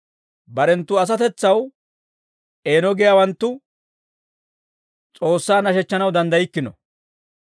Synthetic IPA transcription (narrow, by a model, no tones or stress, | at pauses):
bɐɾɛnt̪ːʊɐs̬ɐt̪ɛt͡sːɐw | ʔe̞ːnɔɡɪjaːwɐnt̪ːʊ | t͡sʼo̞ːsːaːnɐʃɛt͡ʃːɐnɐwd̪ɐnd̪ɐjɪkːɪnɔ̰